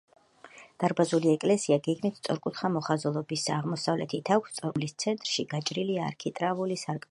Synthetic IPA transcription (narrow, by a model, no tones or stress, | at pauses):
d̪̥aɾbazuliɛkʼlɛsiaɡɛɡmit̪ʰt̪sʼɔɾkʼut̪χamɔχazɔlˠɔbisaʁmɔsavlɛt̪ʰit̪ʰakʰʷst̪sʼɔmlist̪sʰɛnt̪ʼɾʃiɡat͡ʃʼɾilia̰ɾkʰit̪ʼɾavulisaɾkʼ